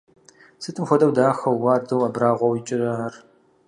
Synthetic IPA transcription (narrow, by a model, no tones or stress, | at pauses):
sɨtʼɨmxʷɔdʼɐwdaːxɐwwɑːrdɐwɐbraːʁʷɔwɪt͡ʃʼɪraɐr